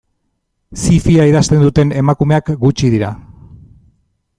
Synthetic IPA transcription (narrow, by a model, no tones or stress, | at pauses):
sifiaiðast̪e̞nd̪ut̪e̞ne̞makume̞akɡut͡ʃiðiɾa